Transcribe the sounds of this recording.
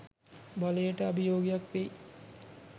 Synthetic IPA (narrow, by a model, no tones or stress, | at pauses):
balejəʈəɐbijoːɡijakʋej